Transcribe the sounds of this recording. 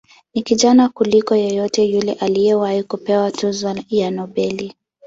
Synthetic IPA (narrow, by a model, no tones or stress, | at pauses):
nikiʄanakulikɔjɔjɔtɛjulɛʔalijɛwahikupɛwatuzɔjanɔɓɛli